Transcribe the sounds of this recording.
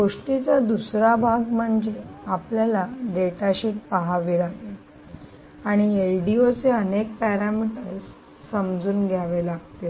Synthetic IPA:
ɡoʂʈit͡sad̪usɾabʱaɡm̤əɳd͡zeapljalaɖeʈaɕiːʈ̚paɦaʋiɾaɡe | aɽ̃ielɖiot͡seənek̚pæɾamiʈəɾsː | əmd͡zuːnɡʱjaʋelaɡt̪e

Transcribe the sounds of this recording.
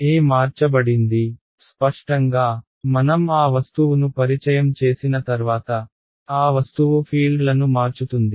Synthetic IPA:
eːmaːɾt͡ʃɐbɐɽind̪i | spɐʂʈɐŋɡaː | mɐnɐmaːʋɐst̪uʋunupɐɾit͡ʃɐjɐmt͡ʃe̞ːsinɐt̪ɐɾʋaːt̪ɐ | aːʋɐst̪uʋupʰiːɭɖlɐnumaːɾt͡ʃut̪und̪i

